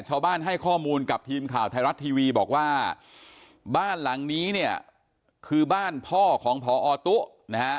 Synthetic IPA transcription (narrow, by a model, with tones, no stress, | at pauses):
t͡ɕʰaː˧wbaː˥˩nɦa˥˩jkʰɔː˥˩muː˧nka˨˩p̚t̪ʰiː˧mkʰaː˨˩wt̪ʰa˧wɾa˦˥t̪ʰːiː˧wiː˧bɔː˨˩k̚waː˥˩ | baː˥˩nla˩˦ŋniː˦˥ni˥˩ɐ | kʰɯː˧baː˥˩npʰɔː˥˩kʰɔː˩˦ŋpʰɔː˩˦ʔɔː˧t̪u˦˥ʔ | na˦a˦˥